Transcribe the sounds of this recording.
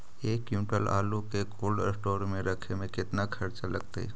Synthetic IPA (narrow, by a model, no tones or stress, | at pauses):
eːkjũːʈəla̰ːlukekoːlɖsʈoːɾmẽɾəkʰemẽkɪt̪nakʰɐɾt͡ʃaləɡt̪ḛ